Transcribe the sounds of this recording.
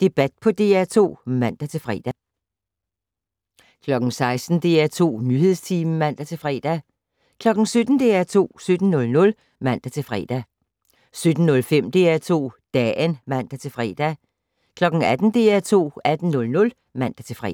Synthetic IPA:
d̥e̝b̥æd̥̚pʰɒ̽d̥e̝ːæt͡sʰo̝̰ːmæn̰d̥æt͡sʰe̝lfʁɛ̰ːd̥æ | kʰlɒ̽ɡ̥ŋ̩sɑ̈ɪsd̥n̩d̥e̝̰ːæt͡sʰo̝̰ːnyhe̝ð̞̰ˠst͡sʰiːmmæn̰d̥æt͡sʰe̝lfʁɛ̰ːd̥æ | kʰlɒ̽ɡ̥n̩sød̥n̩d̥e̝ːæt͡sʰo̝̰ːsød̥n̩nɔ̽lnɔ̽l | mæn̰d̥æt͡sʰe̝lfʁɛ̰ːd̥æ | sød̥n̩nɔ̽lfem̰d̥e̝̰ːæt͡sʰo̝̰ːd̥ɛ̰ːnmæn̰d̥æt͡sʰe̝lfʁɛ̰ːd̥æ | kʰlɒ̽ɡ̥n̩æd̥n̩d̥e̝̰ːæt͡sʰo̝̰ːæd̥n̩nɔ̽lnɔ̽l | mæn̰d̥æt͡sʰe̝fʁɛ

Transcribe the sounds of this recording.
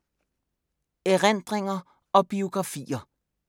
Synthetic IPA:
eʁend̥ʁeŋɐ | ɒ̽b̥io̝ɡ̥ʁɑ̈fḭːɐ

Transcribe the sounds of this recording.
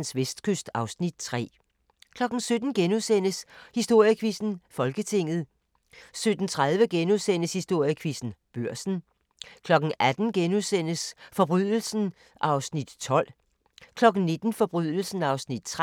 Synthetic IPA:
nsʋesd̥kʰøsd̥ɑ̈ʊsnid̥̚t͡sʰʁɛ̰ː | kʰlɒ̽ɡ̥n̩sød̥n̩ɡ̥enusen̰əshisd̥o̝ɐ̰jəkʰʋisn̩fɒ̽lɡ̥ət͡sʰe̝ŋ̰ð̞̩ˠ | sød̥n̩t͡sʰʁaðˠʋəɡ̥enuðˠsen̰əshisd̥o̝ɐ̰jəkʰʋisn̩b̥øɐ̰sn̩ | kʰlɒ̽ɡ̥n̩æd̥n̩ɡ̥enusen̰əsfɒ̽b̥ʁyð̰ˠl̩sn̩ | ʔɑ̈ʊsnid̥t͡sʰɒ̽l̰ | kʰlɒ̽ɡ̥n̩ne̝d̥n̩fɒ̽b̥ʁyðˠl̩sn̩ɑ̈ʊsnid̥̚t͡sʰʁ

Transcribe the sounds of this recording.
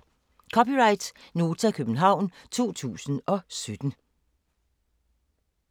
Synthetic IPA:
kʰɒ̽piʁɑ̈ɪd̥no̝ːt͡sʰækʰøb̥n̩ɦɑ̈ʊ̰nt͡sʰo̝̰ːt͡sʰṵːsən̩ɒ̽sød̥n̩

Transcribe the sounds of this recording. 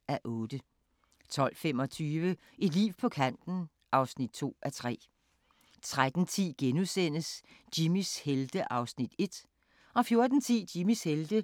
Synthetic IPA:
æʔɔ̽ːd̥ə | t͡sʰɒ̽l̰fem̰ɒ̽t͡sʰyːʋə | ʔi̥lḭʊpʰɒ̽kʰæn̰d̥n̩ | ʔɑ̈ʊsnid̥̚t͡sʰo̝̰ːʔæt͡sʰʁɛ̰ː | t͡sʰʁad̥n̩t͡sʰḭːɡ̥enusen̰əsd̥imisheld̥əʔɑ̈ʊsnid̥e̝d̥ | ɒ̽fjo̝ɐd̥n̩t͡sʰḭːd̥imisheld̥ə

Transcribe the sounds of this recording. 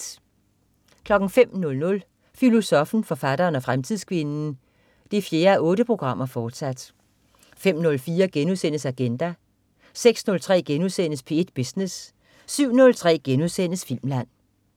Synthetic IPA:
kʰlɒ̽ɡ̥n̩fem̰nɔ̽lnɔ̽l | filo̝sɒ̽fn̩fɒ̽fæd̥ɐːnɒ̽fʁamt͡sʰið̰ˠskʰʋe̝nn̩ | d̥ifje̝ːɐæʔɔ̽ːɾəpʰʁo̝ɡ̥ʁɑ̈m̰ɐfɒːd̥sæd̥ | fem̰nɔ̽lfiːɐɡ̥enusen̰əsæɡ̥end̥æ | seɡ̥snɔ̽lt͡sʰʁɛ̰ːɡ̥enuðˠsen̰əspʰe̝ed̥b̥isnesː | yʊ̰nɔ̽lt͡sʰʁɛ̰ːɡ̥enuðˠsenəsfil̰mlæn̰

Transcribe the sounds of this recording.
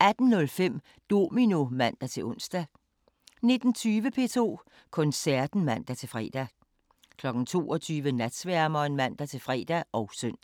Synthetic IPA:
æd̥n̩nɔ̽lfem̰ | d̥o̝̰mino̝mæn̰d̥æt͡sʰe̝ʔɔn̰sd̥æ | ne̝d̥n̩t͡sʰyːʋəpʰe̝̰t͡sʰo̝̰ː | kʰɔ̽nsæɐ̰d̥n̩mæn̰d̥æt͡sʰe̝fʁɛ̰d̥æ | kʰlɒ̽ɡ̥n̩t͡sʰo̝̰ːɒ̽t͡sʰyːʋənæd̥sʋæɐmɐnmæn̰d̥æt͡sʰe̝fʁɛ̰ːd̥æʔɒ̽ʊsœn̰̥

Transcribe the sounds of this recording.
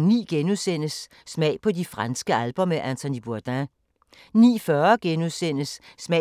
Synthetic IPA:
ŋnḭːɡ̥enusen̰əsː | mɛɪ̰pʰɒ̽difʁansɡ̥əælb̥ɒ̽meʔænt͡sʰonib̥uɐd̥æ̃ | nḭːfɶɐɡ̥enuðˠsen̰əsːmɛ

